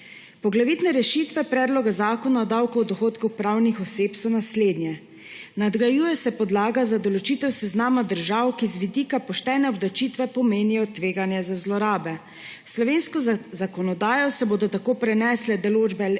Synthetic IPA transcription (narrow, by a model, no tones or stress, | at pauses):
pɔɡlaʋit̪nɛɾɛʃiːt̪ʋɛpɾɛːd̪lɔɡazaːkɔnaɔd̪awkɔwɔd̪ɔxoːt̪kuxpɾawnixɔseːpsɔnasleːd̪njɛ | nad̪ɡɾajuːjɛsɛpɔd̪laːɡazad̪ɔlɔt͡ʃiːt̪ɛwsɛznaːmad̪əɾʒaːwkizʋid̪iːkapɔʃt̪ɛːnɛɔblɔt͡ʃiːt̪ʋɛpɔmeːnijɔt̪ʋeːɡanjɛzazlɔɾaːbɛ | slɔʋeːnskɔzakɔnɔd̪aːjɔsɛboːd̪ɔt̪akoːpɾɛnɛːslɛd̪ɔloːd͡ʒbɛ